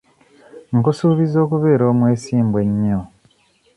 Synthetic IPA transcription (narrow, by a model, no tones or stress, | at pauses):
ŋkusuːβizo̞ːkuβe̞ːɾo̞ːmwe̞ːsiːmbwe̞ɲːo